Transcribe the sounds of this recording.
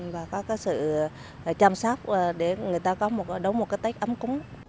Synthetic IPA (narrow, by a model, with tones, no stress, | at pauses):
vaː˨˩kɔ˨˦kaː˨˦jsɨ̰˧˨ | t͡ɕaː˧msaː˦˥k͡p̚ːɗe˧˩ŋɨ˨˩əjt̪aː˧kɔ˨˦mo˨˩t̚ɗə˨˦wŋ͡mmo˨˩t̚kaː˨˦jt̪a˦˥k̚ʔə˨˦mkʊ˨˦ŋ͡m